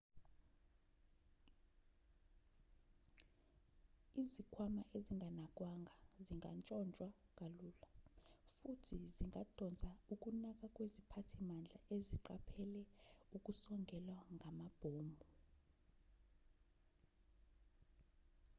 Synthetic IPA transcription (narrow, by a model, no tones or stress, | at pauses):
izikʰwamaʔeziŋɡʱanakʼwaŋɡʱaziŋa̰nt͡ʃʼɔnt͡ʃʼwakʼalulafutʰiziŋɡʱad̥ʱɔnd͡zʱauk̬ʼunak̬ʼak̬ʼwezipʰatʰimand͡ɮʱaʔeziǃapʰɛlɛukʼusɔŋɡʱɛlwaŋʱamab̥ʱoːmbʱu